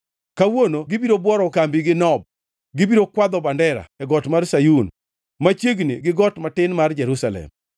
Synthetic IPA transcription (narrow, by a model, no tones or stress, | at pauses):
kawonoɡɪbiɾobwɔɾɔkambiɡɪnɔb̚ | ɡɪbiɾokwad̪ɔbandɛɾa̰ɛɡɔtmarsajun | mat͡ʃjeɡniɡɪɡɔtmatɪnmard͡ʒɛɾusalɛ̰m